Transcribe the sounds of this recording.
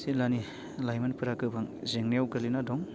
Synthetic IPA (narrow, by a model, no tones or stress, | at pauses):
silani | lajmanpʰɯɾakɯbʰʱaŋzeŋnijawɡalinadɔŋ